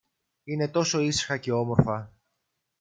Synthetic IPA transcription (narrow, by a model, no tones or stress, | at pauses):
ine̞t̪o̞so̞isi̥xɐce̞o̞mo̞ɾfɐ